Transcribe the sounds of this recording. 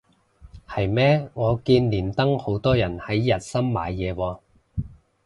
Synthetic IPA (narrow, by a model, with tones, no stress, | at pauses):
hɐ˨jmɛː˥ŋɔː˨˧kiː˧nliː˨˩nt̪ɐ˥ŋho˨˥wt̪ɔː˥jɐ˨˩nhɐ˨˥jːɐ˨t̚sɐ˥mma̰ː˨˧jːɛː˨˧wɔː˧